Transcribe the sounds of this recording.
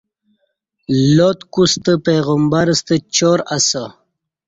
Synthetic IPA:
lot̪kust̪əpeɣəmbaɾst̪ət͡ɕoɾasə

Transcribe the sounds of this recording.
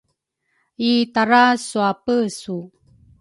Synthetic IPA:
itaɾasuapəsu

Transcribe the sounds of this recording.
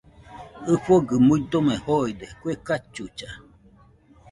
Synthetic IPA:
ɨɸoɡɨmud̪omehoed̪ekʷwekat͡ʃut͡ʃa

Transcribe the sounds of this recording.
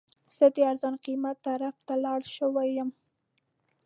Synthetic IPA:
z̥əd̪əaɾzɑnqimat̪ːaɾaft̪alɑɽʃəwajəm

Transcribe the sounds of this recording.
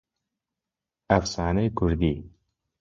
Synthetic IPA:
afsaːnejkʰuɾd̪iː

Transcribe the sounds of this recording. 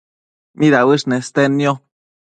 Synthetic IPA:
mid̪awɨʂnest̪enjo

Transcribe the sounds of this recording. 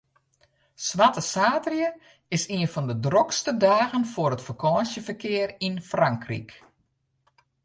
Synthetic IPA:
sʋatəsaːtrjə | ɪsiːənfɔndədrokstədaːɣənfʊəɾətfərkʰɔəsjəfərkɪːərinfraŋkrḭk

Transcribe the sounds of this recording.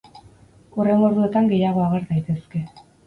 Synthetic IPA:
ure̞ŋɡo̞ɾðue̞t̪aŋɡe̞jaɣ̞o̞aɣ̞e̞ɾðajt̪e̞ske̞

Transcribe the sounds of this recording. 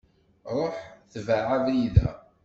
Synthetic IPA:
ɾˤoħθvaʕaviðæ̰

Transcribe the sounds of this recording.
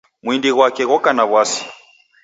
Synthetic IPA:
muindiɣwakɛɣɔkanaβwasi̥

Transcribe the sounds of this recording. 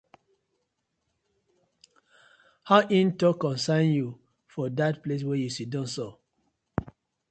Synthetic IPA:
haʊʔĩntɔkɔ̃nsãnju | fɔdatples̬wɛjusidɔ̃nsɔ

